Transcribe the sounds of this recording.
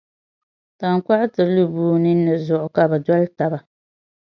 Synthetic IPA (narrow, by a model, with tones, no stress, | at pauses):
ta˨ŋka˦ʔʊ˦tɨ˨ɾlu˦buː˦nɨ˦nɨ˨zʊ˨ʔʊ˨ka˨bɛ˨dɔ˦lta˨ba˨